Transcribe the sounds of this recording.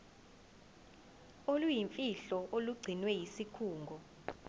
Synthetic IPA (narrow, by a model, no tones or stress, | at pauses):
olujiɱfʼiɬɔʔoluɡ͡ǀʱinwɛjisikʰuːŋɡʱɔ